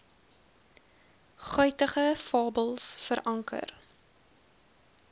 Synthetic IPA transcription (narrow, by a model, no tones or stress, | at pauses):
χœɥtəχəfɑːbəlˠsfəɾʔɐŋkə̰r